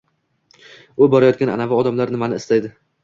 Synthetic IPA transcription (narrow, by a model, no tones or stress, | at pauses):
ʊbɒɾajɒt̪kʲana̰navaɒd̪amlaɾnɪmanɪɪst̪ajd̪ɪ